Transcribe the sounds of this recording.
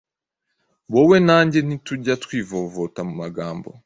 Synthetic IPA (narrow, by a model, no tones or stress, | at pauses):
βowe̞naːɲɟe̞n̥ituɟatwiːvovotamumaɡaːmbo̰